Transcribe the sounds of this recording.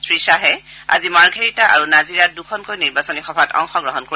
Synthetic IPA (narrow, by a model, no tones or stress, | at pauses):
sʰɹisaɦɛa̰zimaɹɡʱeɹitaʔa̰ɹunaziɹat̚dukʰɔnkojniɹbasɔnixɔbʱatɔ̰ŋxɔɡɹɔɦɔnko